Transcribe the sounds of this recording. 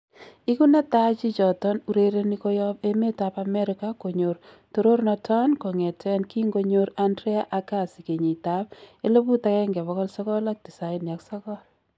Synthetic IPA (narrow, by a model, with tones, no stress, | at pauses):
i˦ku˦na˦ta˦t͡ʃi˦t͡ʃɔ˨tɔ˦nu˨ɾe˦ɾe˦ni˦kɔ˦jɔ˦pe˦me˦tapame˦ɾɪka˦ko˨ɲo˨r | to˨ɾo˦ɾnɔ˧tʰa˦nko˨ŋɛ˨tɛ˦nki˦ŋɡo˦ɲo˦ɾandɾe˦a˦ʔa˦ka˦˨si˨ke˨ɲi˨ta˦p̚e˦lo˦bu˦ta˦kɛ˦ŋɡɛ˨βɔ˨kɔ˦lsɔ˦kɔ˦la˦k̚di˨sa˨ɪnja˨ksɔ˦kɔ˦ɾ